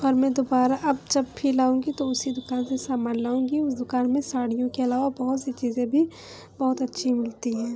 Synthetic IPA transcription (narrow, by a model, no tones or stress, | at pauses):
ɔːɾmɛ̃ːd̪oːbaːɾaʔɐb̚d͡ʒɐbpʰilaːũːŋɡit̪oʊsid̪ʊkaːnsesaːmaːllaːũːŋɡiʊsd̪ʊkaːnmẽsaːɽijõkeɐlaːʋabɐɦʊt̪set͡ʃiːzẽbʱi | bɔɦʊt̪ɐtːʃʰimɪlt̪iɦɛ̃ː